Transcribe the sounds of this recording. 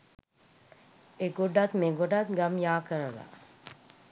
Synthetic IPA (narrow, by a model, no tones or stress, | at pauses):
eɡoɖat̪meɡoɖat̪ɡamjaːkəɾəla̰